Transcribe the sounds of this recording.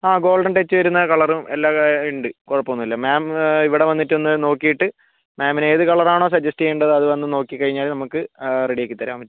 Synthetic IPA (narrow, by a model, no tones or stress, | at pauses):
aːɡo̞ːlɖɐɳɖet͡ɕːɨʋɐɾunːɐkɐɭɐrumelːaːiɳɖɨkoɻɐpːɐonːilːɐmaːmiʋiɽe̞ʋɐnːiʈːenːɨno̞ːkːijiʈːɨ | maːmineːðɨkɐɭɐraːɳo̞ːs̬ɐd͡ʑɐsʈiejuɳɖɐðɨɐðɨʋɐnːɨno̞ːkːikːɐɻiɲːaːlnɐmukːɨreɽijekːit̪ːɐɾa̰ːmʋɐ